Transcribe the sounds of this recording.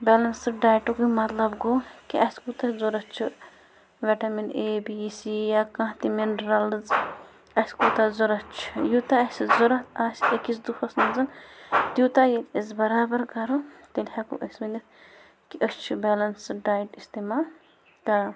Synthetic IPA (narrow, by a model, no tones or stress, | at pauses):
bɛːlɐnsɨɖaːjʈukumɐt̪lɐbɡukiʔɐskut̪ɐzuɾɐt͡ʃʰu | ʋeʈɐmineːbiːsijakɐ̃t̪iminɾɐlz | ɐskut̪ɐzuɾɐt͡ʃʰujut̪aɐsizuɾɐt̪aːsekisd̪ufɐsnɐzɐnt̪jut̪ajet̪izbɐɾaːbɐɾkɐɾut̪elhakṵʔɐsunit̪ | kiʔəst͡ʃʰubɛːlɐnsɨɖaːjʈist̪emal | t̪ɐ